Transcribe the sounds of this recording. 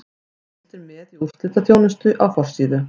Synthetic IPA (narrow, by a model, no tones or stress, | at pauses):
ɛft̪ɪɾmɛðiuɾ̥t̪lɪt̪aθjoːwnʏst̪ʏʔawfɔr̥siːðʏ